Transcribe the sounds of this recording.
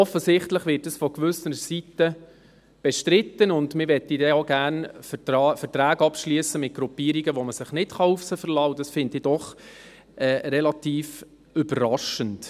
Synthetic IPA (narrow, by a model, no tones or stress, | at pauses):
ɔfəsɪχtləχʋɪtəsfɔkʋʏsəɾəsitə | b̥ɛʃtɾɪtːənʊndmɪɾʋɛtːidɛoɡæːrnfəɑfəɾtɾæːɡɑpʃliəsəmɪt̚ɡ̥ɾupiːəɾiɡəʋoməsɪχnɪtχɑufsəfəɾlɑːʊdɑsfɪndɪd̥ɔχ | ʔɛːɾɛlɑtiːf | ʏbərɾɑʃənt